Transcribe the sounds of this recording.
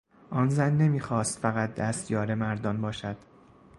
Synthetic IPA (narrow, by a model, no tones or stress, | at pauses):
ʔɒːnzænːe̞miːxɒːst̪fæɣæt̪̚d̪æst̪jɒːɾemæɾd̪ɒnbɒːʃæd̪̥